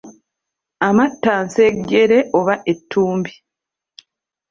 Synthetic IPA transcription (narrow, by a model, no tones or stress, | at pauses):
amatːaːnse̞ɟːe̞ɾe̞ʔoβaʔe̞tʰːuːmbi